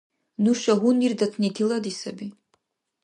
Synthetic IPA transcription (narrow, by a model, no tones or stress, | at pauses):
nuʃaɦunird̪at̪ʰnit̪ʰilˠɐd̪isɐbi